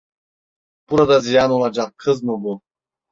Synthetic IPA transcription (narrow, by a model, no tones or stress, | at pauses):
puɾɑd̪ɑzijɑnulˠɑd͡ʒɑqʰːɤznubu